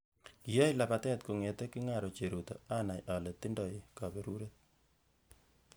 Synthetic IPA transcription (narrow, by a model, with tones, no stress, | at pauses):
ki˨jo˦jla˨pa˨tɛ˦t̪ko˨ŋe˨te˦ki˦ŋa˨ɾo˨t͡ʃe˨ɾu˨tɔ̰˨a˦na˨jʔa˨le˨t̪i˦ndɔ˨je˨kabe˨ɾu˦ɾe˦t̪̚